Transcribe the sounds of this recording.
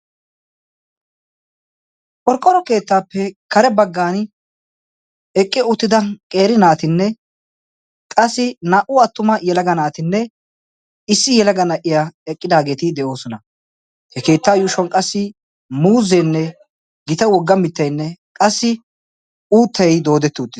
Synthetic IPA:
kʼɔɾkʼːɔɾɔke̞ːt̪ːaːpːɛkɐɾɛbɐɡːaːn | ɛkʼːɪʊt̪ːɪd̪ɐkʼe̞ːɾɪnaːt̪ɪnːɛ | kʼɐsːɪnaːʔʊɐt̪ːʊmɐjɛlɐɡɐnaːt̪ɪnːɛ | ɪsːɪjɛlɐɡɐnɐʔɪjaɛkʼːɪd̪aːɡe̞ːt̪ɪd̪ɛʔo̞ːsɔnɐ | hɛke̞ːt̪ːaːjuːʃɔnkʼɐsːɪ | muːzɛjnːɛ | ɡɪt̪ɐwɔɡːɐmɪt̪ːɐjnːɛkʼɐsːɪ | uːt̪ʰːɐjd̪o̞ːd̪ɛt̪ːʊʊt̪ːɪ

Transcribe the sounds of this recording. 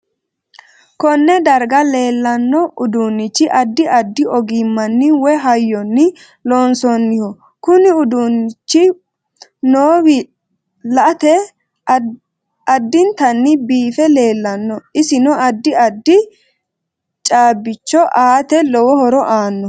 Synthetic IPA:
kɔnːɛd̪ɐɾɡɐle̞ːlːɐnːɔʔʊd̪unːɪt͡ʃːɪʔɐd̪ːɪʔɐd̪ːɪɔɡimːɐnːɪwɛɦɐjːɔnːɪ | lɔːnsɔnːɪhɔ | kʊnɪʊd̪unːɪt͡ʃːɪ | noːwɪ | lɐʔt̪ɛ | ɐd̪ːɪnt̪ɐnːɪbiːfɛle̞ːlːɐnːɔɪsɪnɔɐd̪ːɪɐd̪ːɪ | t͡ʃʼaːbːɪt͡ʃːɔʔaːt̪ɛlɔwɔhɔɾɔʔaːnːɔ

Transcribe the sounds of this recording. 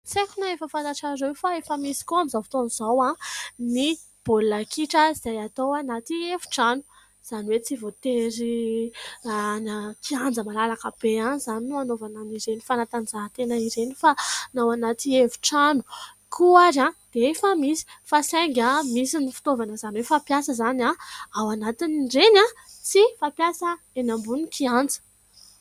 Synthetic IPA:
t͡sekunaefəfant̪aʈ͡ʂaɾewfaefəmisi̥kuamizafi̥t̪onizawãni | b̥olːakʰiʈ͡ʂaziz̥ajat̪owanat̪ievu̥ʈ͡ʂanu̥ | z̥aniwet͡sivot̪eɾi | anat̪iand͡zəmalalakəb̥eanizaninuanovananiɾenifanat̪anid͡zaɦat̪enaiɾenifanawanat̪ievu̥ʈ͡ʂanu̥ | kʰuaɾãd̪̥eefəmisi̥fasajŋɡʲamisinifi̥t̪ovanəzaniwefapjasəzanaawanat̪iniɖ͡ʐena | sifapjasə | enambunikʰiand͡zə̥

